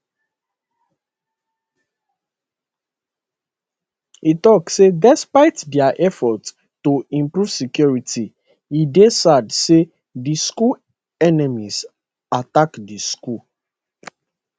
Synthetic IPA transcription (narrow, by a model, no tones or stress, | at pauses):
itɔksedɛspaɪtdɛaʔɛfɔt | toĩmpɹuv̥sikjɔɹiti | idesadse | disku | ɛnɛmiz | atakdisku